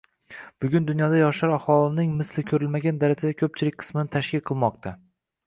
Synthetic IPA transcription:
b̥ʊɡʲʊnd̪ʊnjɒd̪ajɒʃaɾahɒlˠɪnɪŋmɪslɪkʲʰɵɾɪlmaɡʲand̪aɾad͡ʒad̪akʲʰɵp̚t͡ʃʰɪlɪk̚ʲqʰɨ̥smɪnɪt̪ʰaʃkʲɪlˠqʰɨlˠmɒq̚t̪ʰa

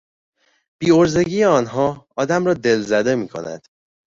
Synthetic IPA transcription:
b̥iːo̞ɾze̞ɟiːjeɒːnɦɒːɒːd̪æmɾɒːd̪e̞lzæd̪e̞miːkʰo̞̰næ̰d̪̥

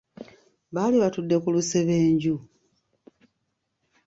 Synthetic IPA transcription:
βaːliβatudːe̞kuluse̞βe̞ːɲɟu

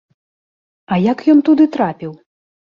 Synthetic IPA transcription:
ɐjakjɔnt̪ud̪ɨt̪ɾapʲiw

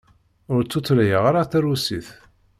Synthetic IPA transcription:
ʊɾt͡sːut͡sːlæjəʁaɾaθæɾusiθ

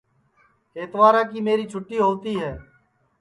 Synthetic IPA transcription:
eːt̪ʋaːɾãːkiːmeːɾiːt͡ʃʰʊʈːiːɦoːt̪iːɦɛː

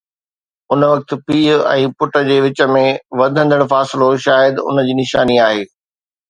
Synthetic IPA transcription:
ʊnəʋɐk̚t̪piːɛ̰̃ːpʊʈə̆d͡ʑeːʋɪt͡ɕə̆mẽʋɐd̪ʱə̃nd̪əɽ̃faːsɪloʃaːjəd̪ʊ̰nəd͡ʑiːnɪʃaːniaːɦeː

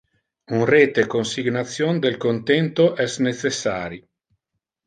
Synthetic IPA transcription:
unreːt̪ekonsiɡnat̪sːjond̪elkont̪ɛnt̪oʔɛsnet̪sesːa̰ːɾi

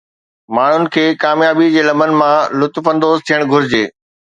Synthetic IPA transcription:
maːɳ̤ʊnɪ̆kʰeːkaːmjaːbid͡ʑeːlɐmbənɪ̆mãlʊt̪fɐ̃nd̪oːzt̪ʰijəɽ̃ɡʱʊɾɪd͡ʑeː

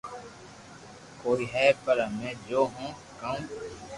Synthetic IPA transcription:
koːiɦɛːpəɾamɛ̃ːd͡ʒoːɦũː | kɐũː

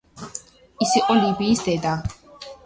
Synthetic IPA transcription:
isiqʼɔlibiːsd̪ɛd̪a

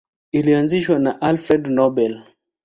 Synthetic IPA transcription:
ilianziʃwanaʔalfɾɛdnɔbɛl

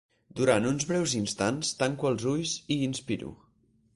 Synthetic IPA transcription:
d̪uɾanunzβɾɛwzinst̪anst̪aŋkuəlˠzuʎsiːnspiɾṵ

